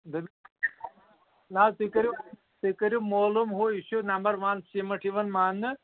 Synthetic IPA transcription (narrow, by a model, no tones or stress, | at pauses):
d̪ɐb | nat̪ikɐɾi | t̪ikɐɾimoːlumɦuiʃunɐmbɐɾʋɐnsimɐʈʰiʋɐnmaːnːɨ